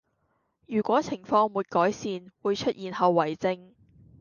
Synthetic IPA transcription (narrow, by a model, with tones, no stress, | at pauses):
jyː˨˩kʷɔː˨˥t͡sʰɪ˨˩ŋfɔː˧ŋmuː˨˩t̚kɔː˨˥jsiː˧nwuː˨˧jt͡ʃʰɵ˥t̚ʔjiː˨nhɐ˨˧wːɐ˨˩jt͡sɪ˧ŋ